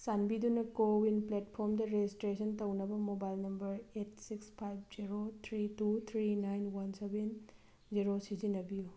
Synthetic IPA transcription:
sanbidunɐkowinpletpʰoɾmdɐɾed͡ʒistɾesʰɐntɐwnɐbɐmobajlnɐmbɐɾet̚sikspʰajb̚ziɾot̪ʰɾitut̪ʰɾinajnwɐnseben | ziɾosizinːɐbiju

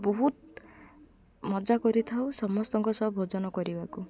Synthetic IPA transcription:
bɔɦut̪ | mɔd͡ʒakɔɾit̪ʰawsɔmɔst̪ɔŋkɔsɔbʱod͡ʒɔnɔkɔɾibaku

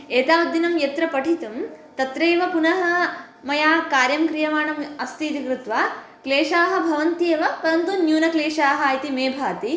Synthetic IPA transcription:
eːt̪aːʋɐd̪ːinɐmjɐt̪ɾɐpɐʈʰit̪ɐmt̪ɐt̪ɾeːʋɐpunɐɦɐ̆ | mɐjaːkaːɾjɐmkɾijɐʋaːɳɐmɐst̪iːt̪ikɾut̪ʋa | kleːʂaːɦɐ̆bʱɐʋɐnt̪eːʋɐpɐɾɐnt̪unjuːnɐkleːʂaːɦɐːjt̪imeːbʱaːt̪i

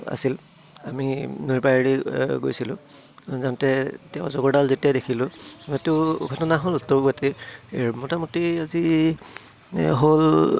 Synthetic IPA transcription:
a̰sil | a̰minujpaiɹiɡo̰jsilʊ̃ | zantɛtɛʊ̃zɔɡɔɹdalzetijadekʰilʊtʊkʰɔtɔnaɦolutːɔɹɡatemɔtamutiazi | ɦol

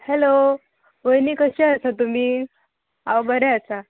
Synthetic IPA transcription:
helo | ʋəjniːkəɕeəsat̪um̤iː | aʋbəɾeət͡sa

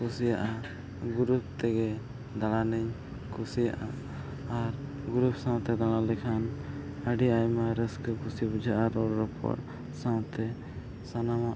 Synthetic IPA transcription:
kusijaʔa | ɡuɾup̚t̪ɛɡɛ | d̪aɽanəɲ | kʰusija̰ʔaː | ɾ | ɡuɾupsãwt̪ɛd̪aɽ̃alɛkʰan | əɖiajmaɾəskəkʰusibud͡ʒʱaʔaɾɔɾɾɔpʰɔ̰ʈ̚ | sãwt̪ɛ | sanamaʔ

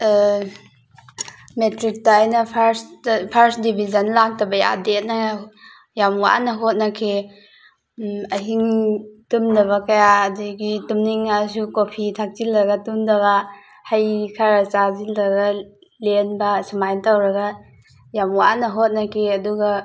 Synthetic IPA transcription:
metɾik̚taːjnɐpʰaɾspʰɐɾsdibʱid͡ʒɐnlak̚tɐbɐja̰det̚nɐ | jamwa̰ʔnɐɦot̚nɐkʰi | ɐɦiŋtumdɐβɐkɐjaɐduɡitumniŋːas̬ukopʰitʰak̚t͡ʃilɾɐɡɐtumdɐβɐ | hajkʰaɾɐt͡ʃazilɾɐɡa | lenbɐsɐmajntawɾɐɡɐ | jamwaʔnɐɦot̚nɐkʰiɐduɡɐ

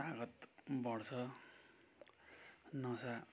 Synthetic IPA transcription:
aɡʌt̪bʌɽt͡sʰʌ | nʌsa

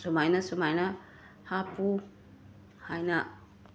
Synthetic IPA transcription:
sumajnɐsumajnɐ | hapu | hajnɐ

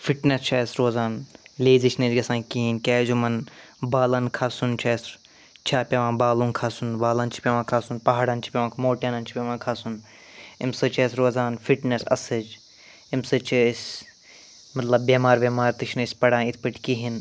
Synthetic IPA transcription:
fiʈnest͡ʃʰɐːsɾoːzaːnleːzit͡ʃʰned͡ʒɡɐsãːkiɦinkaːzumɐnbaːlɐnkʰaːsunt͡ʃʰɐs | t͡ʃʰaːpʲɐʋãːbaːlunkʰaːsunbaːlɐnt͡ʃʰi̥pʲeʋãːkʰaːsunpɐɦaːɽɐnt͡ʃʰi̥pʲeʋãːkʰmoːʈeːnɐnt͡ʃʰi̥pʲeʋãːkʰaːsun | imsɨt͡ʃʰɐːsɾoːzaːnfiʈnesɐ̰sɨd͡ʒ | imsɨt͡ʃʰisʲ | mɐt̪lɐbːeːmaːɾbʲeːmaːɾt̪iʃʰnɨsʲpɐɽãːnit̪ʰpɨʈʰkiɦin

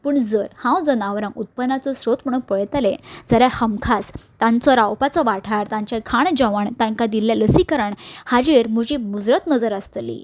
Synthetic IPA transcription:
pəːɳd͡zəɾhãwd͡zənaʋɾãŋut̪̚pənat͡sɔsɾot̪m̤əɽũːnpəɭt̪alẽd͡zəɾjahəmkʰast̪ãnt͡sɔɾawpat͡sɔʋaʈʰaɾt̪ãɲt͡ɕakʰaɳd͡ʑəʋəɳt̪ãŋkad̪iljaləsikəɾəɳhad͡ʑeɾm̤əd͡ʑimud͡zɾət̪nəd͡zəɾəst̪lḭ

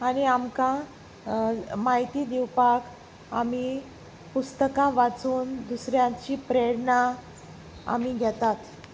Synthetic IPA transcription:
aɽ̃iamkã | maɦit̪iːd̪iwpak | ami | pust̪əkãʋat͡suːnd̪usɾjãt͡ɕiːpɾeɽɳã | a̰miɡʱɛt̪at̪

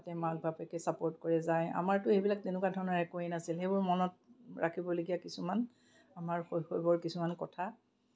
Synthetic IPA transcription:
atɛmak̚bʱapɛkɛsapoɹtkoɹɛzaja̰maɹtʊejbilak̚tenʊkwadʱɔɹɔnɔɹɛkoenasilxejbʊɹmɔnɔt̚ɹakʰibɔleɡijakisuman | amaɹxojxojbɔɹkisumankɔtʰa

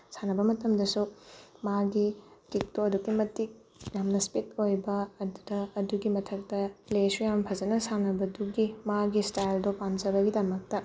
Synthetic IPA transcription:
sanɐbɐmɐtɐmdɐsumaɡikik̚toɐdukːimɐtik̚ | jamnɐspitojbɐːdudɐːduɡimɐtʰɐk̚tɐplesujamɐpʰɐzɐnɐsanɐbɐduɡimaɡistajldopand͡ʒɐbɐɡidɐmɐk̚tɐ

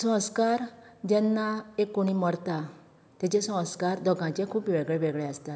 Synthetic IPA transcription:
sə̃skaɾd͡ʑɛnːaekːoɽ̃iməɾt̪a | t̪et͡ɕesə̃w̃skaɾd̪ɔɡãt͡ɕekʰuːpiʋɛɡɭeʋɛɡɭɛast̪a

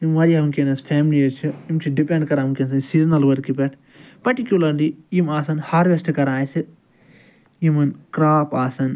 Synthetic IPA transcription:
imʋɐɾiɐmkenɐsfʰeːmliɐt͡ʃʰiimt͡ʃʰiɖipeɳɖkɐɾaːmkens̬ɨnsiːznɐlʋɐɾkipeʈ | pɐɾʈikjulɐɾliimaːsɐnhaːɾʋesʈɨkɐɾãːsi | imɐnkɾaːpaːsɐn

